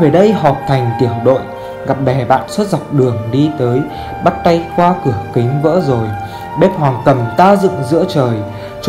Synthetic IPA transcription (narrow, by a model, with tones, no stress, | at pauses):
ve˨˩ɗə˧jɦɔ˨˩p̚t̪ʰa˨˩jŋ̟t̪i˧˩əwɗo̰˧˨j | ɣa˨˩p̚ɓɛ˧˩ɓa̰ː˧˨nswə˦˥t̚za˨˩wk͡p̚ɗɨ˨˩əŋɗi˧t̪əː˨˦j | ɓa˦˥t̚t̪a˧jxwaː˧kɨ˧˩əkï˨˦ŋ̟və̰ː˧˥zo˨˩j | ɓe˦˥p̚hwaː˨˩ŋkə˨˩mt̪aː˧zɨ̰˧˨ŋzɨ̰˧˥ət͡ɕəː˨˩j | t͡ɕ